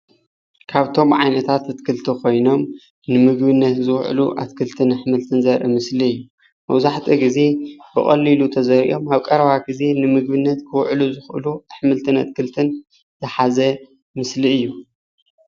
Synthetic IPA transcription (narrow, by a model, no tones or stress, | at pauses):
kʰaβt̪ʰo̞mʕajnɐt̪ʰat̪ɐt̪kʰɨlt̪ʰɨkʰo̞jno̞m | nɨmɨɡbɨnːɐt̪zɨwʕ̰luʔa̰t̪kʰɨlt̪ʰɨnɨħmɨlt̪ʰɨnzɐɾʔɨmɨsliɨjːu | mɐ̰wzaħt̪ʰiɡɨze̞bɨχʼɐ̰lːilut̪ʰɐzɐɾḭʔo̞maβkʼɐɾɐβaɡize̞nɨmɨɡ̚bɨnːɐt̪kʰɨwʕluzɨxɨ̰luɨħmɨlt̪ʰɨna̰t̪̚kʰɨlt̪ʰɨn | zɨħazɐ | mɨsliɨjːu